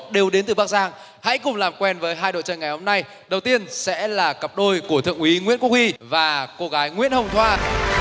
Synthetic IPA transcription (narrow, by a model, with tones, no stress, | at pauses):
ɗe˨˩wɗe˨˦nt̪ɨ˨˩ɓa˦˥k̚zaː˧ŋ | ha̰˧˥jkʊ˨˩ŋ͡mlaː˨˩mkwɛ˧nvəː˨˦jɦaː˧jɗo̰˧˨jt͡ɕə̰˧˨nŋa˨˩jho˧ŋ͡mna˧j | ɗə˨˩wt̪i˧ənsɛ̰˧˥laː˨˩kə˨˩p̚ɗo˧jku˧˩ət̪ʰɨ̰˧˨əŋʔwi˨˦ŋwḭ˧˥ənku˦˥k̚hi˧vaː˨˩ko˧ɣaː˨˦jŋwḭ˧˥ənhə˧wŋ͡mt̪ʰwaː˧